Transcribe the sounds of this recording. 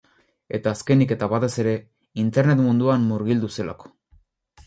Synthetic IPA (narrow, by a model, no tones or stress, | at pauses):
e̞t̪aːske̞nike̞t̪aβat̪e̞se̞ɾe̞ | int̪e̞ɾne̞t̪mund̪uamːuɾɣ̞ild̪use̞la̰ko̥